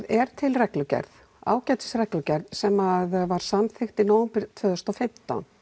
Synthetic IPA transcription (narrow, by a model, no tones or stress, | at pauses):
ðɛɾ̥t̪ʰɪlrɛklʏcɛ̰ɾð | a̰ːwcaːjt̪ɪ̥srɛklʏcɛɾðsɛmaðvaɾ̥samθɪxt̪inaːwʏmpɪɾ̥t̪ʰvœːðʏst̪ɔfɪm̥t̪a̰n